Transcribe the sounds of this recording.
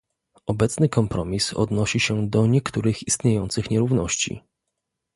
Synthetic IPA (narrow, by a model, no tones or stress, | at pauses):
ɔbɛt̪snɘkɔmpɾɔmʲisɔ̰d̪nɔɕiɕɛd̪ɔɲɛkt̪uɾɘxist̪ɲejɔnt̪sɘxɲɛɾuvnɔɕt͡ɕḭ